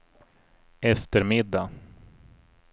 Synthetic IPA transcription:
ɛft̪əɾmɪd̪ːa

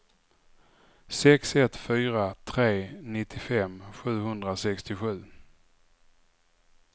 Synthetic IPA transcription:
sɛksɛt̪fyːɾat̪ʰɾeːnɪt̪ʰːɪfɛmɧʉ̟ːɦɵnd̪ɾasɛkst̪ɪɧʉ̟ː

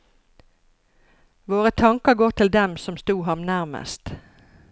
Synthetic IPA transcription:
ʋoːʁət̪ʰɑŋkəɡoːt̪ʰɪld̪ɛmsɔmst̪uːhɑmnæʁmə̰st̪

